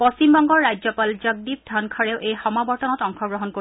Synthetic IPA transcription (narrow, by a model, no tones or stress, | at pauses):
post͡ɕimbɔŋɡɔɹːajzɔpalzaɡ̚dip̚dʱankʰaɹɛʊʔejxɔmabɔɹtɔnɔtɔŋkʰɔɡɹɔɦɔnko